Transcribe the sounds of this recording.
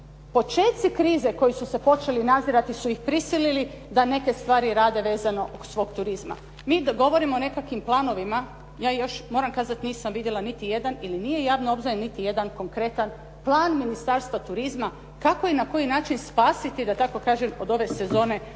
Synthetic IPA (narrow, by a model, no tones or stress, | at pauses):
po̞t͡ʃeːt̪sikɾiːze̞ko̞jisuse̞po̞t͡ʃe̞linad̪ziɾat̪isuixpɾisilili | d̪ane̞ke̞st̪ʋaːɾiɾaːd̪e̞ʋe̞ːzano̞ʔoko̥sʋo̞ɡt̪uɾizma̰ | miːd̪ɡo̞ʋo̞ɾimoːne̞kakʋimplˠaːno̞ʋima | jaːjo̞ʃmoɾamkaːzat̪niːsamʋid̪je̞lanit̪ije̞d̪aniliniːje̞jaːʋnoobzajenit̪ije̞d̪anko̞ŋkɾe̞t̪an | plˠaːnminist̪aɾst̪ʋat̪uɾizma | kako̞inako̞jinaːt͡ʃinspaːsit̪id̪at̪ako̞kaːʒemo̞d̪o̞ʋe̞se̞zo̞ːne̞